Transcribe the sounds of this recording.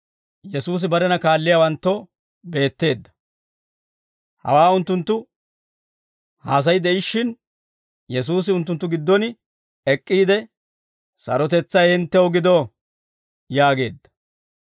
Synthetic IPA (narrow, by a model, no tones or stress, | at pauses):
jɛsuːs̬ɪbɐɾɛnɐkaːlːɪjaːwɐnt̪ːo | be̞ːt̪ːe̞ːd̪ːɐ̥ | hɐ̰waːʊnt̪ːʊnt̪ːʊ | haːs̬ɐjd̪ɛʔɪʃːɪn | jɛs̬uːs̬ɪʊnt̪ːʊnt̪ːʊɡɪd̪ːɔnɪ | ɛkʼːiːd̪ɛ | sɐ̰ɾɔt̪ɛt͡sːɐjhɪnt̪ːɛwɔɡɪd̪o | jaːɡe̞̰ːd̪ːɐ̥